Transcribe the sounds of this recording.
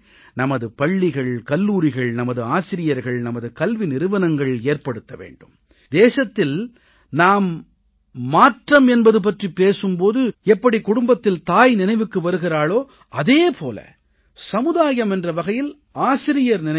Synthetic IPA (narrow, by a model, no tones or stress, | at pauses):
nɐmɐðɯpɐɭːɪɣɐɭkɐlːuːɾɪɣɐɭnɐmɐðɯaːsɪɾɪjɐɾɣɐɭnɐmɐðɯkɐlʋɪnɪɾɯʋɐnɐŋɡɐɭeːrpɐɽɯt̪ːɐʋḛːɳɖɯm | d̪eːsɐt̪ːɪl | naːmː | aːʈrɐmɛnbɐðɯp̬ɐʈripeːsɯmpoːðɯɛpːɐɽikʊɽʊmbɐt̪ːɪlt̪aːjnɪnɐɪʋɯkːɯʋɐɾɯɣɪraːɭoː | ɐðeːpʰoːlɐ̰ | sɐmɯðaːjɐmɛndrɐʋɐɣɐjɪl | aːsɪɾɪjɐɾnɪnɐ